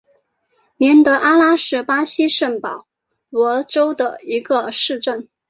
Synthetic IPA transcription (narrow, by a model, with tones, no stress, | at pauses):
mjɛ˧˥nt̪ɤ˧˥ʔa˥la˥ʂɻ̩˥˩pa˥ɕi˥ʂə˥˩npɑ˨˩˦ʊ | wɔ˧˥ʈ͡ʂo˥ʊd̪ə̰˨i˧˥ɡə˧ʂɻ̩˥˧ʈ͡ʂə˥˩n